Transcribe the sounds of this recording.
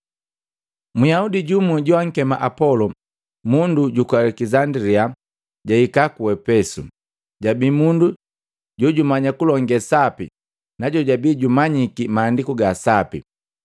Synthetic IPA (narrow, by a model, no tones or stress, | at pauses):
mujaudiɟumuɟuaŋ̩kɛma̰ʔapɔlɔ | munduɟukwalɛkizandɾia | ɟaikakuɛpɛsu | ɟabiːmundu | ɟɔɟumaɲakulɔŋɡɛsapḭ | naɟɔɟabiːɟumaɲikimaːndikuɡasapḭ